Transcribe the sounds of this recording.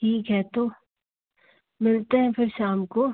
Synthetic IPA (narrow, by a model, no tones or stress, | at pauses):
ʈʰiːkɦɛt̪oː | mɪlt̪eɦɛ̃pʰɪɾʃaːmko